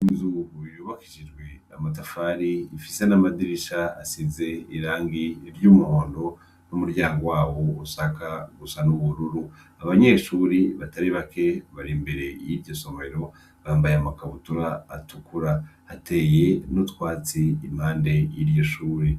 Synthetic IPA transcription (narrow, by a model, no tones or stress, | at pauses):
izuɡujuːβakiʃid͡ʒɡwe̞amat̬afaɾiːfise̞namadiɾiʃaasize̞iɾaːŋɡiɾɟuːmuho̞ːndo̞ | numuɾɟaːŋɡowaːwo̞usakaɡusanuβuɾuɾu | aβaɲe̞ːʃuːɾiβataɾiβake̞βaɾimbe̞ɾe̞jiɾɟo̞so̞me̞ɾo̞ | βaːmbajamakaβutuɾaːtukuɾahate̞ːje̞nutwaːt͡siːm̥haːnde̞jiɾjoʃuːɾi